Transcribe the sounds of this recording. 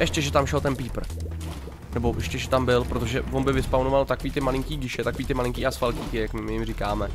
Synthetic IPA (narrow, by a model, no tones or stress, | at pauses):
ʔɛʃcɛʒɛt̪amʃɛlt̪ɛnpiːpr̩ | nɛboʔɛʃcɛʒɛt̪ambɪlpɾot̪̬oʒɛvonbɪvɪspawnovalt̪akoviːt̪ɪmalɪŋkiːɟɪʃɛt̪ako̞viːt̪ɪmalɪŋkiːʔasfalciːkɪjakmɪmɪjɪmrikaːmɛ